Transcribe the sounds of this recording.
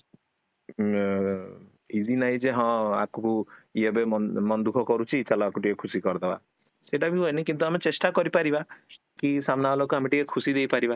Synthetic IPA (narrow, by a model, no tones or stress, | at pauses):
id͡ʒinaɦĩd͡ʒeɦɔ̃a̰kukuiɔbemɔmɔnd̪ukʰɔkɔɾut͡ʃʰit͡ʃalɔakuʈikekʰusikɔɾd̪ʰaba̰ | seʈabiɦojnikint̪uamet͡ʃesʈakɔɾipaɾiba | kisamnaɔlɔkɔamiʈikekʰusid̪ejpaɾiba